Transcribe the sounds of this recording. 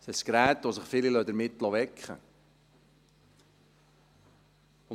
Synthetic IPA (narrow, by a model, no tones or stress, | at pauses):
sɛskɾæːt̪ʋosəχfɪlilœd̪əɾmɪt̪lɑʋɛkχə̰